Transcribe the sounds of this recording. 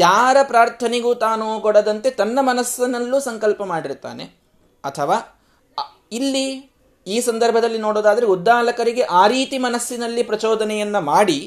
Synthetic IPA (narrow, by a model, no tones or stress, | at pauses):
jaːɾɐpɾaːɾt̪ʰɐneɡuːt̪aːnukɔɽɐd̪ɐnt̪e̞t̪ɐnːɐmɐnɐsːɐnɐlːuːsɐŋkɐlpɐmaːɽiɾt̪ːa̰ːne̞̰ | ɐt̪ʰɐʋaː | ilːi | iːsɐnd̪ɐɾbʱɐd̪ɐlːinoːɽoːd̪aːd̪ɐɾeud̪ːaːlɐkɐɾiɡe̞ʔaːɾiːt̪imɐnɐsːinɐlːipɾɐt͡ʃɔːd̪ɐnɛjɐnːɐmaːɽi